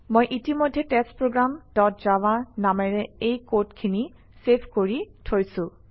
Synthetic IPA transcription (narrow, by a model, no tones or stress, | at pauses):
mojʔitimojdʱːɛtɛspɹoɡɹamdɔt̚z̥awanamɛɹɛejkotkʰini | sepʰkoɹitʰojsʊ̃